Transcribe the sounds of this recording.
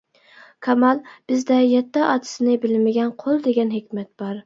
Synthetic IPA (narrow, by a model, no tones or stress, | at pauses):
kʰɑmɑlˠb̥ɪzd̪ɛjɛt̪ːæʔɑt̪ʰɪ̥sɪnɪbɪlmɪɡʲɛnqʰolˠd̪eɡʲɛnhɪkʲmɛt̪̚b̥ɑɾ